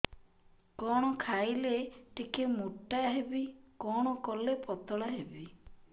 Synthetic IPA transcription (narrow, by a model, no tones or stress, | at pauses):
kɔɽ̃ɔkʰajleʈikemuʈːaɦebikɔɽ̃ɔkɔlepɔt̪ɔɭɔɦebi